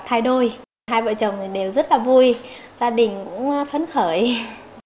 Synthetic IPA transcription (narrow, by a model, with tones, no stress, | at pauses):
t̪ʰaː˧jɗo˧j | ɦaː˧jvə̰ː˧˨t͡ɕə˨˩wŋ͡mt̪ʰi˨˩ɗe˨˩wzə˦˥t̚laː˨˩vu˧jzaː˧ɗï˨˩ŋ̟kʊ̰˧˥ŋ͡mfə˨˦nxəː˧˩j